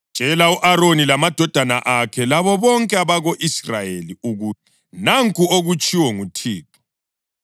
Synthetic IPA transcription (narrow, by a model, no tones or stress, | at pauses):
nd͡ʒ̥ʱɛlauʔaɾonilamad̥ʱɔd̥ʱana̰ʔakʰɛlaβɔβɔŋkʼɛaβaɣoʔisrajeliuɣuti | naŋkʼuoɣut͡ʃʼiwɛŋutʰiːpʰɔ̥